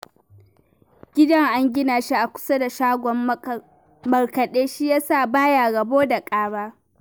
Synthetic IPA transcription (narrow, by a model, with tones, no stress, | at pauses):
ɡʲɪ˦dɐ˦ŋʔa˦ŋɡʲɪ˦naː˨ʃi˦ʔa˨kʷʊ̥˦sa˦da˨ʃaː˦ɡʷɔ˨m | mɐ˨ɽkɐ˨ɗeː˦ʃi˦jaː˦saː˦˨baː˦jaː˨ɡɐ˨boː˦da˨kʼaː˦baː˦